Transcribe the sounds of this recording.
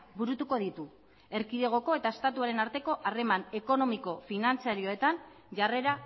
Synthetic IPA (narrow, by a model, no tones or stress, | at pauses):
buɾut̪uko̞ð̞it̪u | e̞ɾkiðe̞ɣ̞o̞ko̞e̞t̪ae̞st̪at̪uaɾe̞naɾt̪e̞ko̞ʔare̞mane̞ko̞no̞miko̞finant͡siaɾio̞e̞t̪an | ʝare̞ɾa